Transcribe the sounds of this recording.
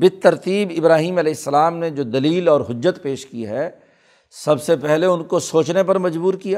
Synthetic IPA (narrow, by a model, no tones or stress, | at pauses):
bɪt̪ːɐɾt̪iːbɪbɾaːɦiːmɐlɛːɦɪsːɐlaːmnẽd͡ʒoːd̪ɐliːlɔːɾɦʊd͡ʒːət̪peːʃkiɦɛ | sɐbsepɛɦleʊnkosoːt͡ʃnep̬ɐɾmɐd͡ʒbuːɾkijaː